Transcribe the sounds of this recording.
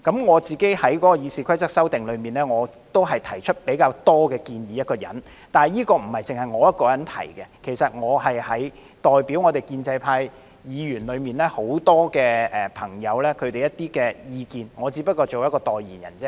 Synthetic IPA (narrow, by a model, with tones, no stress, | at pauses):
kɐ˨˥mŋɔː˨˧t͡siː˨˩ke˨˥jhɐ˨˥jkɔː˨˥kɔː˧jiː˨˧siː˨˩kʰɐ˥jt͡sɐ˥k̚sɐ˥wt̪ɪ˨ŋlɵ˨˧ɥmiː˨˩nɛː˥ŋɔː˨˧t̪o˥wɦɐ˨˩jt̪ʰɐ˨˩jt͡ʃʰɵ˥t̚pe˨˥jkaː˧wt̪ɔː˥kɛː˧kiː˧njiː˨˦jɐ˥t̚kɔː˧jɐ̰˨˥n | t̪aː˨jiː˥kɔː˧m̩˨˩hɐ˨˩jt͡sɪ˨ŋhɐ˨jŋɔː˨˧jɐ˥t̚kɔː˧jɐ˨˥nt̪ʰɐ̰˨˩jkɛ˧kʰe˨˩jsɐ˨t̚ŋɔː˨˧hɐ˨jhɐ˨˥j | t̪ɔː˨jpi˨˥wŋɔː˨˧t̪e˨jkiː˧nt͡sɐ˧jpʰaː˧j | jiː˨˧jyː˨˩nlɵ˨˧ɥmiː˨nlɛː˥ho˨˥wt̪ɔː˥kɛː˧ʔɛː˨pʰɐ˨˩ŋjɐ˨˧wlɛː˥kʰɵ˨˧ɥt̪e˨jɐ˥t̪iː˥kɛː˧jiː˧kiː˨nŋɔː˨˧t͡siː˨˥pɐ˥t̚kːɔː˧t͡so˨wjɐ˥kːɔː˧t̪ɔː˨˩jjḭː˨˩njɐ̰˨˩nt͡sɛː˥